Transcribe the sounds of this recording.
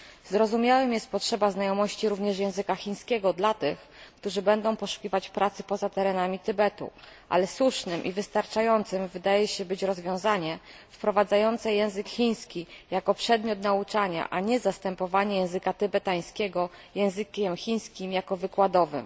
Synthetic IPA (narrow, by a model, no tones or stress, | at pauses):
zɾɔzumʲjawɘmjɛst̪̚pɔtʂɛbaznajɔmɔɕt͡ɕiɾuvɲɛʂjɛ̃w̃zɘkaxʲiɲ̃skʲɛɡɔd̪lat̪ɘx | kt̪uʐɘbɛnd̪ɔ̃w̃pɔʂu̥kʲivat͡ɕpɾat̪sɘpɔzat̪ɛɾɛnamʲit̪ɘbɛt̪ṵʔa̰lɛswuʂnɘmʔḭvɘst̪aɾt͡ʂajɔnt̪sɘmvɘd̪ajɛɕɛbɘt͡ɕɾɔzvʲjɔ̃w̃zaɲɛfpɾɔvad̪zajɔnt̪sɛjɛ̃w̃zɘkxʲiɲ̃skʲijakɔpʂɛd̪mʲjɔt̪naut͡ʂaɲa̰ʔaɲɛzast̪ɛmpɔvaɲɛjɛ̃w̃zɘkat̪ɘbɛt̪aj̃skʲɛɡɔjɛ̃w̃zɘkʲɛmxʲiɲ̃skʲimjakɔvɘkwad̪ɔvɘ̰m